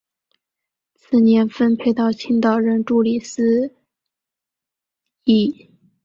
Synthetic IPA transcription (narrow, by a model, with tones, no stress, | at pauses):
t͡sʰɹ̩˥˩njɛ˧˥nfə˥npʰe˥˧ɪt̪ɑ˥˩ʊt͡ɕʰi˥ŋt̪ɑ˥˨˩ʊɻə˧˥nʈ͡ʂu˥˩li˨˩sɹ̩˥ | i˥˩